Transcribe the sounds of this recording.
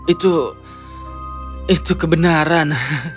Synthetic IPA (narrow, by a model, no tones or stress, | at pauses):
it̪u | it̪ukəbənaɾan